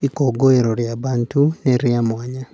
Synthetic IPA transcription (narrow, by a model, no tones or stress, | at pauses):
ikoɡoeɾoɾjabantuneɾjamwaɲa